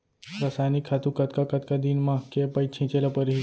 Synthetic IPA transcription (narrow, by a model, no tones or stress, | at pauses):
ɾəsajnikʰːat̪ũkət̪kakət̪kad̪inmãkepəjt͡ɕʰĩt͡ɕelapəɾɦi